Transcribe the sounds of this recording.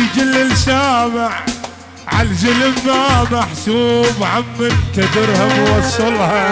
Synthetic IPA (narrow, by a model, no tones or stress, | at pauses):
d͡ʒɪlɪlsaːmɪʕ | ʕald͡ʒɪlɪmːamaħsuːbʕamːant̪ad̪ɪɾhamwɑsˤːʊlha